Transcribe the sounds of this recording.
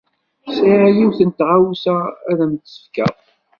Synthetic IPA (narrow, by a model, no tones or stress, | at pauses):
siʕæjiwθənt̪ʁawsææðæmt̪sə̥fkæ̰ðˤ